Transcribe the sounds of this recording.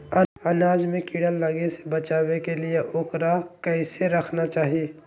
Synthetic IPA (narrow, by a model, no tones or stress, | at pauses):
əɐnaːd͡ʒmẽkiːɽəlːəɡese̥bət͡ʃaːwekelijeʔoːkɾakɛɪseɾɐkʰnat͡ʃaːɦi